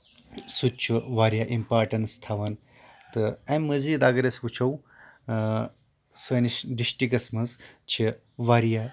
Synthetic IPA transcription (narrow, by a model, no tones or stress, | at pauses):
sut͡ʃʰuʋaːɾjaʔimpaːɾʈɐnst̪ʰɐʋɐn | t̪ɨɐmːɐziːd̪aɡɐɾesʋut͡ʃʰɐw | sɐnisɖisʈikɐsmɐnzt͡ʃʰi | ʋaɾja